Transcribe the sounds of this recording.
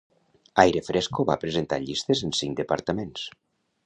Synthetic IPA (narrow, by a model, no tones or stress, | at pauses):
ajɾəfɾɛskoβa̰pɾəzent̪a̰ʎist̪ezənsiŋkd̪əpəɾt̪əmens